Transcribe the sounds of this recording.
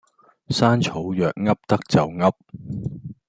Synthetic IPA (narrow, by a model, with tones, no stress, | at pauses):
saː˥nt͡ʃʰo˨˥wjœː˨k̚ŋɐ˥p̚t̪ɐ˥k̚t͡sɐ˨wŋɐ˥p̚